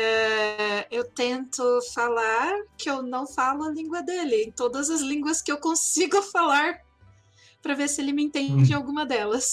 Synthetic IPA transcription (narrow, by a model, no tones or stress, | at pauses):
ɛ | ewt̪ẽnt̪ʊfalaɾkɪewnɐ̃w̃falʊɐlĩɡwɐd̪elɪẽt̪od̪ɐzɐzlĩŋɡwɐskɪewkõsiɡʊfalaɾ | pɾɐveɾsɪelɪmɪẽt̪ẽd͡ʒɪawɡũmɐd̪ɛlɐs